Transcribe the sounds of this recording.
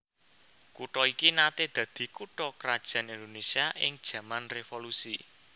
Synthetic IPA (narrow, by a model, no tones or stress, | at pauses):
kuʈɔikinat̪ed̪̥ä̤d̪̥i̤kuʈɔkɾad̥ʒ̥ä̤nind̪onesiaʔɪ̰ŋd̥ʒ̥ä̤manrefolusi